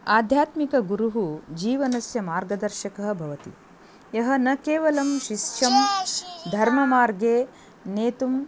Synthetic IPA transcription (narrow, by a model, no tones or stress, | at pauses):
aːd̪ʱjaːt̪mikɐɡuɾuɦud͡ʒiːʋɐnɐsjɐmaːɾɡɐd̪ɐɾʃɐkɐɦɐ̆bʱɐʋɐt̪ḭ | jɐɦɐnɐkeːʋɐlɐmʃiʃʃɐmd̪ʱɐɾmɐmaːɾɡeː | neːt̪um